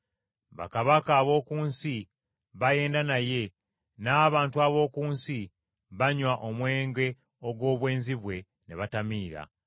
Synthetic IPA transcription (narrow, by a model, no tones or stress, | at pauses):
βa̰kaβakaːβo̞ːkuːnsi | βaje̞ːndanaje̞ | naːβaːntuaβo̞ːkuːnsi | βaɲwaʔo̞mwe̞ːŋɡe̞ | o̞ɡwo̞ːβwe̞ːnziβwe̞ | ne̞βatamiːɾa̰